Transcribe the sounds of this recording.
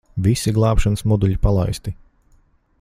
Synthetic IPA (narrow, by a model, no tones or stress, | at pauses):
visiɡlˠɑːpʃanəsmɔd̪uʎʲipalˠajst̪i